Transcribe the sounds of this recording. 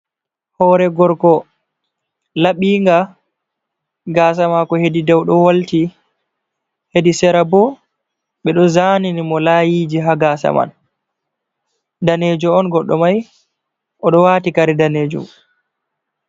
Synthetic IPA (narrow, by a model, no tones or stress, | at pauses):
hɔːɾɛɡɔɾɡɔ | laɓiːŋɡa | ɡaːs̬amakɔhedidɛwɗɔwalti | hedisɛɾabɔ | ɓɛɗɔzaːninimɔlajiːd͡ʒiɦaɡaːsa̰ma̰n | daned͡ʒɔɔnɡɔɗːɔmaj | ʔɔɗɔwaːtikaɾidaneːd͡ʒṵm